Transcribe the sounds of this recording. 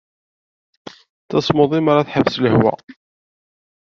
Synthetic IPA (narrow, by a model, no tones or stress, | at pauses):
t͡sːɑsˤmoðˤimaɾaθħəvsləhwæ̰